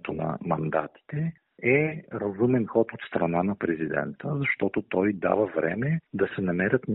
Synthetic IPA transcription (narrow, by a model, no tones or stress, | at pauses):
t̪onɐ̰mɐnd̪a̰t̪i̥t̪ɛ | ɛɾɐzumɛnxɔt̪ot̪st̪ɾɐnanɐpɾɛzid̪ɛ̰nt̪əzɐʃt̪ɔt̪ot̪ɔjd̪a̰vəvɾɛ̰mɛd̪ɐsɛnɐmɛɾʲət̪n